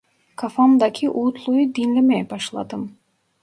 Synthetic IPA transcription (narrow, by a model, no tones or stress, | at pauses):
kʰafɑmd̪ɑkʰʲiʔut̪lˠujud̪inlemæjbɑʃlˠɑ̰d̪ɯm